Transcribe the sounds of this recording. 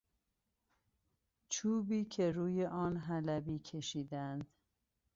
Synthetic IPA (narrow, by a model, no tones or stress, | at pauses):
t͡ʃʰuːbiːcʰe̞ɾuːjeʔɒːnɦælæbiːcʰe̞ʃiːd̪ænd̪